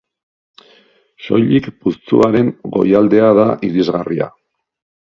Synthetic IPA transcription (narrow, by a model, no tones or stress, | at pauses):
ʃo̞̰jʎikpust͡suaɾe̞ŋɡo̞̰jald̪e̞aðaʔiðizɣaria̰